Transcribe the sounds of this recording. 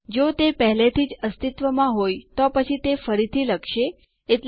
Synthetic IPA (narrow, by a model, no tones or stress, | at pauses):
d͡ʒot̪epəɦlet̪ʰid͡ʒəst̪it̪ʋəmãɦojt̪opət͡ʃʰit̪efəɾit̪ʰiləkʃeː | ʈ